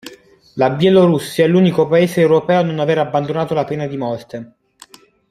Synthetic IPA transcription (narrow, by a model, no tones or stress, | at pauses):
labjɛloɾusːjaɛlːuːnikopaeːseːwɾopɛːononaveːɾabːand̪onaːt̪olapeːnad̪imɔrt̪e